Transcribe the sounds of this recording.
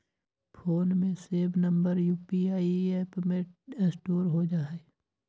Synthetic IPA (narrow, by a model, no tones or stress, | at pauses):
pʰoːnmẽseːbnə̃mbəɾjuːpiaːieːpmẽesʈoːɾɦod͡ʒaːɦe